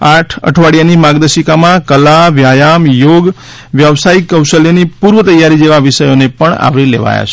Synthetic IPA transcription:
aʈʰə̰ʈʰʋaɽijanimaɡd̪əʃikamãkəlaʋjajamjoɡ | ʋjəʋsaikːəwʃəlenipuɾʋət̪əjːaɾid͡ʒeʋaʋɪʃəjonepəɳa̰ʋɾilḛʋa̰ja̰t͡ʃʰe

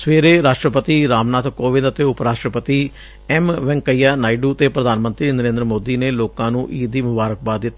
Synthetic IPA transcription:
sʋeːɾeːɾaːʃʈɾəpət̪iːɾaːmnaːt̪koːʋɪ̃nd̪ət̪eːʊpɾaːʃʈɾəpət̪iː | ɛmʋɛ̃ŋkəiːjaːnaːiɖuːt̪eːpɾəd̪ʱaːnmənt̪ɾiːnəɾẽːnd̪əɾəmoːd̪iːneːloːkãːnũːʔiːd̪iːmʊbaːɾək̚baːt̪̚d̪ɪt̪ːa

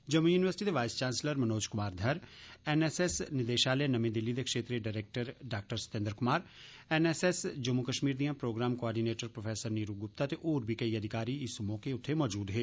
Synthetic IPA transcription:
d͡ʒəmːujuːnɪʋəɾsɪ̥ʈid̪eːʋaːɪst͡ʃãːnsləɾmənoːd͡ʒkʊmaːɾd̪ʱəɾɛnɛːsɛsnɪd̪eːʃaːleːnəmẽːd̪ɪlːiːd̪eːkʃeːt̪ɾeːɖaːɾeːk̚ʈəɾɖaːk̚ʈəɾsə̥t̪ɪ̃nd̪əɾkʊmaːɾ | ɛnɛːsɛsd͡ʒəmːukəʃmiːɾd̪ijãːpɾoːɡɾaːmkoaːɾɖiːneːʈəɾpɾopʰɛːsəɾniːɾuɡʊp̚t̪aːt̪eʔoːɾbʱiːkəiːəd̪ʱɪkaːɾiːɪsʊmõːkeʊt̪ʰːemɔːd͡ʒuːd̪ɦeː

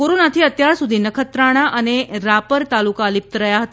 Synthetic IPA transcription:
koɾonat̪ʰiːət̪jaɾsud̪ʱiːnəkʰət̪ɾaɽ̃aʔəneɾapəɾt̪alukalip̚t̪əɾəjaɦət̪a

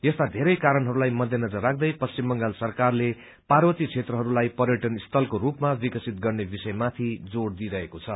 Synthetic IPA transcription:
jʌst̪ad̪ʱeɾʌjkaɾʌnɦʌɾulajmʌd̪ʱjenʌd͡zʌrːak̚ʰd̪ʌjpʌst͡simbʌŋɡalsʌrkarle | parbʌt̪it͡sʰet̪rʌɦʌɾulajpʌrjʌʈʌnist̪ʰʌlkorupmabikʌsit̪̚ɡʌrnebisʌjmat̪ʰid͡zoɽd̪iɾʌɦekot͡sʰʌ

